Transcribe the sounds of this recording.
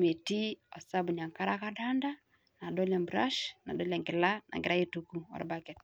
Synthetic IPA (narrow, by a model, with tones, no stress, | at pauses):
me˨ti˦ɔ˨sa˦bu˨ɲa˨ŋka˦ɾa˦ka˦da˦nda˦ | na˨dɔ˦la˨mbɾa˦ʃna˨dɔ˦la˨ŋɡɪ˨la˦nʔa̰˨ŋɡɪɾa˦je˦tu˨ku˦ɔ̰˨ɾbakɛt̚